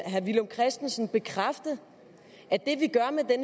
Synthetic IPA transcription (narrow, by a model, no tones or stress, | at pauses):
ɦæʋilomkʰʁɛsd̥n̩sn̩b̥e̝kʰʁafd̥ð̩ˠ | æd̥e̝ʋiɡ̥ɶɐmed̥en